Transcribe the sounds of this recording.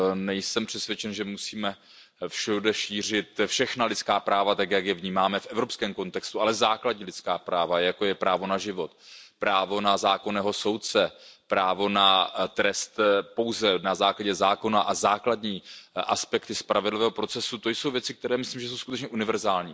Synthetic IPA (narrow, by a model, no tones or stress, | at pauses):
nɛjsɛmpr̥ɛt̪svjɛt͡ʃɛnʒɛmusiːmɛ | fʃudɛʃiːr̝ɪt̪fʃɛxnalɪtt͡skaːpɾaːvat̪akjakjɛvɲiːmaːmɛfʔɛvɾo̞pskɛːmko̞nt̪ɛkst̪ualɛzaːkladɲiːlɪt͡skaːpɾaːvajako̞jɛpɾaːvo̞naʒɪvo̞t̪pɾaːvo̞nazaːko̞nɛːɦo̞so̞wt̪̚t͡sɛpɾaːvo̞nat̪ɾɛst̪po̞wzɛnazaːklaɟɛzaːko̞naʔazaːkladɲiːʔaspɛkt̪ɪspɾavɪdlɪvɛːɦopɾo̞t͡sɛsut̪o̞jso̞wvjɛt͡sɪk̚t̪ɛɾɛːmɪsliːmʒɛs̬owsku̥t̪ɛt͡ʃɲɛʔunɪvɛɾzaːlɲiː